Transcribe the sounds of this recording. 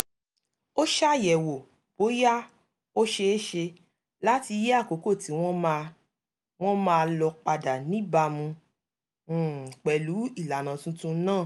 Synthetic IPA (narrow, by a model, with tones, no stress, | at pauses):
o˦ʃa˦˨jɛ˨wo˨ | b̥o˨˦ja˦ | o˦ʃe˧e˦ʃe˧ | la˦ti˧je˦a˦˨ko˨˦ko˦˨ti˨˦w̃ɔ̃˦m˧ | w̃ɔ̃˦mãː˦˧lɔ˧k͡pa˧da˨nĩ˨˦ba˧mũ˧˨ | k͡pɛ˨lu˨˦i˦˨la˨nã˨tũ˦tũ˦nãː˦˨